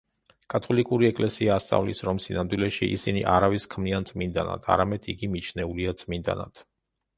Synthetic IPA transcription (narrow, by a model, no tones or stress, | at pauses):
kʼat̪ʰɔlikʼuɾiɛkʼlɛsiaːst̪sʼa̰vlisɾɔmsinamd̪wilɛʃiʔḭsiniʔaɾaviskʰmniant̪sʼmind̪ana̰d̪̥ʰa̰ɾamɛd̪̥iɡimit͡ʃʰnɛuliat̪sʼmind̪a̰na̰d̪̥ʰ